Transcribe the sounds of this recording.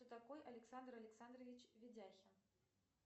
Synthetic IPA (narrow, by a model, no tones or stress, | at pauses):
t̪ɔt̪akɔjʔɐlʲɛksand̪ɾɐlʲɛksand̪ɾɐvʲit͡ɕvʲid͡zʲaxʲɐ